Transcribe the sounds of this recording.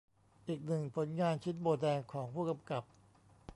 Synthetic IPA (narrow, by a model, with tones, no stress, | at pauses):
ʔiː˨˩k̚nɯ˨˩ŋpʰo˩˦nŋaː˧nt͡ɕʰi˦˥t̪̚boː˧dɛː˧ŋkʰɔː˩˦ŋpʰuː˥˩ka˧mka˨˩p̚